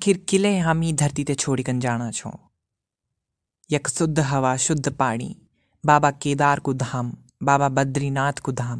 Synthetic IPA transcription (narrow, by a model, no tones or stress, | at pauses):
kʰɪɾkɪleːɦaːmĩːd̪ʱɐɾt̪iːt̪et͡ʃʰoːɽiːkɐnd͡ʒaːɽ̃aːt͡ʃʰõ̰ː | jɐksʊd̪ʱːɦɐʋaːʃʊd̪ʱːpaːɽ̃ḭː | baːbakeːd̪aːɾkud̪ʱaːm | baːbabɐd̪ʱɾiːnaːt̪ʰkud̪ʱaːm